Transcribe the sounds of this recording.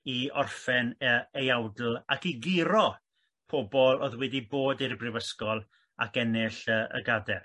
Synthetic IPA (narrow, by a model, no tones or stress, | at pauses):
iɔrfɛnəejawdl̩ˠakiɡɪɾɔ | pʰobɔlˠo̰ðwɛdiboːdirbrɪvəskɔlˠ | akɛnɪɬəːʔə̰ɡadɛr